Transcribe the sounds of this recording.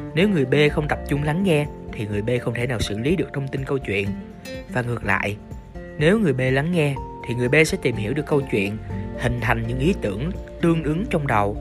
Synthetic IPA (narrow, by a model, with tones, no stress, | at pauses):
ne˨˦wŋɨ˨˩əjɓe˧xə˧wŋ͡mt̪ə˨˩p̚t͡ɕʊ˧ŋ͡mla˨˦ŋːɛ˧t̪ʰi˨˩ŋɨ˨˩əjɓe˧xə˧wŋ͡mt̪ʰe˧˩naː˨˩wsɨ̰˧˥li˨˦ɗɨ˨˩ək̚t̪ʰə˧wŋ͡mt̪i˧nkə˧wt͡ɕwḭ˧˨ən | vaː˨˩ŋɨ˨˩ək̚la̰ː˧˨jʔ | ne˨˦wŋɨ˨˩əjɓe˧la˨˦ŋːɛ˧t̪ʰi˨˩ŋɨ˨˩əjɓe˧sɛ̰˧˥t̪i˨˩mhi˧˩wɗɨ˨˩əkːə˧wt͡ɕwḭ˧˨ənhï˨˩ŋ̟t̪ʰa˨˩jŋ̟ɲɨ̰˧˥ŋʔi˨˦t̪ɨ̰˧˩əŋt̪ɨ˧əŋʔɨ˨˦ŋt͡ɕɔ˧wŋ͡mɗə˨˩w